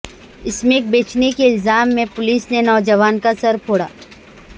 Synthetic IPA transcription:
ɪsmeːk̚beːt͡ʃnekeɪlzaːmːẽpʊliːsnenɔːd͡ʒɐʋaːnkasɐɾpʰoːɽa̰ː

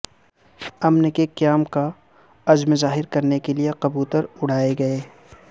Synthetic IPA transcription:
ɐmnɪkeqijaːmka | ɐd͡ʒmezaːɦɪɾkɐɾnekelieqɐbuːt̪əɾʊɽ̤aːeɡɐeː

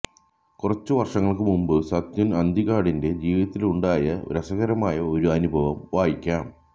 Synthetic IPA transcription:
kurɐt͡ɕːuʋɐrʂɐŋːɐɭkɨmumbɨsɐt̪junɐnd̪ʱiɣaːɽinde̞d͡ʑiːʋiðɐt̪ːiluɳɖaːjɐɾɐsɐɣɐɾɐmaːjɐo̞ɾuɐnubʱɐʋɐmʋaːjikʲːaːm

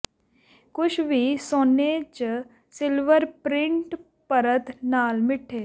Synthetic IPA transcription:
kʊt͡ʃʰbʱisoːnet͡ʃ | sɪlʋəɾpɾɪ̃ɳʈ | pəɾət̪naːlmɪʈʰːeː

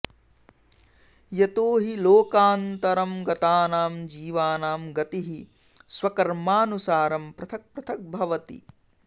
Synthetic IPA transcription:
jet̪oːɦiloːkaːnt̪ɐɾɐmɡɐt̪aːnaːmd͡ʒiːʋaːnaːmɡɐt̪iɦi | swɐkɐɾmaːnusaːɾɐmpɾɐt̪ʰɐk̚pɾɐt̪ʰɐk̚bʱɐʋɐt̪ḭ

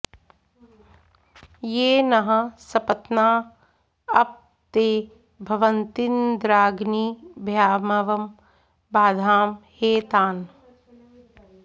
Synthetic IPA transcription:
jeːnɐɦɐ̃sɐpɐt̪naː | ɐp̚ | t̪eː | bʱɐʋənt̪ind̪ɾaːɡniːbʱjaːmɐʋɐm | baːd̪ʱaːmheːt̪aːn

